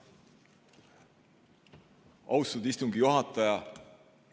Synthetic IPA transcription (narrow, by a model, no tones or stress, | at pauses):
ɑwst̪ud̪̥ist̪uŋɡijuɦɑt̪ːˑɑjɑ